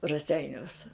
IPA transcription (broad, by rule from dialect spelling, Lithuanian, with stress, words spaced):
rɐˈsʲɛɪnʲuɔs